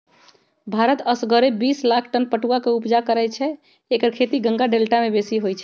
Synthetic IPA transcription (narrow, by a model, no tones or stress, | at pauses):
bʱaɾət̪əsɡəɾebislakʰʈənpəʈuakeupd͡ʒakəɾɛt͡ʃʰɛ | ekəɾkʰet̪iɡə̃ŋɡaɖelʈamebesiɦojt͡ʃʰɛ